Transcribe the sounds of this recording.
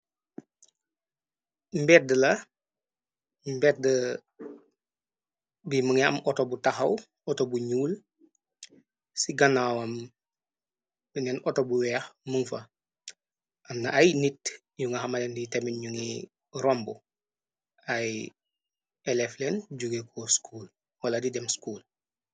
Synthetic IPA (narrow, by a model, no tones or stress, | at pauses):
mbɛːt̚dəlɐ | mbɛt̚də | biməŋɐ̰mɔtobutaxɐw | ɔtobuɲuːl | siɡɐnawɐm | binɛnɔtobuwɛːxməŋfɐ | ʔamnaʔajnit | juŋɡɐɦamalɛnditɛminɲuŋi | ɾɔmbu | aj | ɛlɛflɛnɟuɡekʰɔskʰuːl | wɐladidɛmskuːl